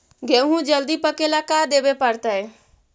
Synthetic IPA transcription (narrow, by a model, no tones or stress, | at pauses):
ɡeɦũd͡ʒəld̪ipəkelakad̪eːbepəɾt̪ae